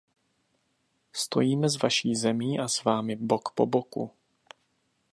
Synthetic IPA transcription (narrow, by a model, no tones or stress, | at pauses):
st̪ʰo̞̰jiːmɛzvaʃiːzɛmiːʔasvaːmɪbokpo̞̰bokṵ